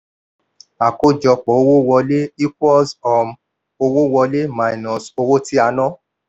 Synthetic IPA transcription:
a˨ko˦d͡ʒɔ˧k͡pɔ˨o˧wo˦wɔ˧le˦i˦kɔ˦lsɔ˨m | o˧wo˦wɔ˧le˦ma˨i˨nɔ̃˨so˧wo˦ti˦a˧nɔ̃˦

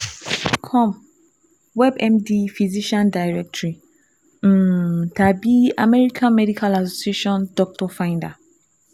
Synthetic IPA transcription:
kʰɔ̃˦˨m | wɛ˦bɛ̃˦mdi˦fi˨zi˦ʃã˦nda˨jɹɛ˦k̚tʰi˨ | m̩˨tʰa˨bi˦a˨mɛ˦ɾi˦kʰã˦nmɛ˦di˦kʰa˦la˨s̬o˨si˦e˦ʃɔ̃˦ndɔ˦k̚tʰɔ˨fã˦nda˨

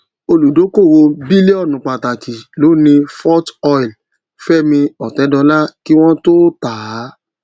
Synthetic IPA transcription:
o˧lu˨do˨˦ko˦˨wo˧bi˦le˦ɔ˦˨nũ˨˦k͡pa˨ta˨ki˨lo˨˦nĩ˧fɔ˦tɔ˧jl | fɛ˦˨mĩ˧ɔ˨tɛ˨˦dɔ˧la˦ki˦w̃ɔ̃˦to˦taː˨˦

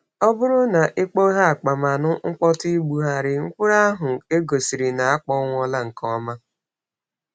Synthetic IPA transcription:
ɔ˦bʊ˦ɾʊ˦na˨ʔe˦k͡po˦ɦa˦a˨k͡pa˨ma˨nʊ˦ŋ̩˦k͡pɔ˦ti˦ɡ͡bu˨ɦa˦ɾɪ˨ŋ̩˦kʷʊ˦ɾa˦ɦʊ˨e˦ɡo˨si˨ɾi˨na˨a˦k͡pɔ˦ŋʷ˦ɔ˦la˦ŋ̩˨kʰɔ˦ma˦

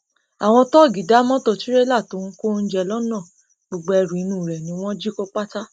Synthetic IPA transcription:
a˨w̃ɔ̃˧tɔ˦˨ɡi˨˦da˨˦mɔ̃˦tɔ˧ti˦ɾe˦la˦˨tõ˨˦ko˦n̩˦d͡ʒɛ˧lɔ˦nã˦˨ | ɡ͡bo˨ɡ͡bo˧ɛ˧ɾũ˨i˨˧˦nũ˦˨ɾɛ˨nĩ˨˦w̃ɔ̃˦d͡ʒi˦ko˦k͡pa˦ta˦

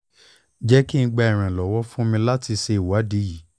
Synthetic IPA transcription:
d͡ʒɛ˦ki˦ñ̩˧ɡ͡ba˧ɛ˨ɾ̃ã˨lɔ˨wɔ˦fũ˦mĩ˧la˦ti˧ʃe˧i˨wa˨˦di˨˦ji˨˦

